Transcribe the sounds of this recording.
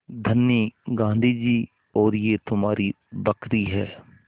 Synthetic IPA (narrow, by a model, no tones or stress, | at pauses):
d̪ʱənjəɡãːnd̪ʱiːd͡ʒiː | ɔːɾjeːt̪ʊmaːɾi | bəkɾiːɦɛː